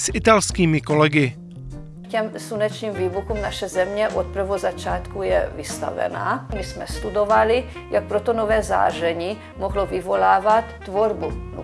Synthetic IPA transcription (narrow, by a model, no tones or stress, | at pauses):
sʔɪt̪alskiːmɪkolɛɡɪ | cɛmsunɛt͡ʃɲiːmviːvukuːmnaʃɛzɛmɲɛʔot̪̚pɾ̩vozat͡ʃaːt̪kujɛ̰vɪst̪a̰vɛ̰na̰ːmismɛst̪ud̪ovalɪ | jak̚pɾot̪onovɛːza̰ːʒɛɲiː | moɦlovɪvo̞laːvat̪ːvoɾbun̰